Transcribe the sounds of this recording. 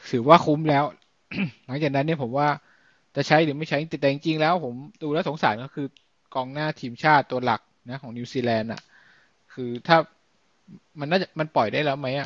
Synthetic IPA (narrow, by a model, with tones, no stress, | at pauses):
sʰɯː˩˦waː˥˩kʰu˧˦˥mlɛː˦˥w | la˩˦ŋt͡ɕaː˨˩k̚na˦˥nːi˥˩pʰo˩˦mwaː˥˩ | t͡ɕa˨˩t͡ɕʰa˦˥jlɯː˩˦ma˥˩jt͡ɕʰa˦˥jt͡ɕi˧t̪i˨˩t̪ɛ˨t͡ɕi˧ŋt͡ɕi˧ŋlɛː˦˥wpʰo˩˦mduː˧lɛː˦˥wso˩˦ŋsaː˩˦nkɔː˥˩kʰɯː˧ | kɔː˧ŋnaː˥˩t̪ʰiː˧mt͡ɕʰaː˥˩t̪ːu˧ɐla̰˨˩k̚na˦˥kʰɔː˩˦ŋni˧siː˧lɛː˧nʔa̰˨˩ | kʰɯː˧t̪ʰaː˥˩ | ma˧nːaː˥˩t͡ɕa˨˩ma˧npɔ˨˩jdaː˥˩jlɛː˦˥˩wma˦˥jʔa˨˩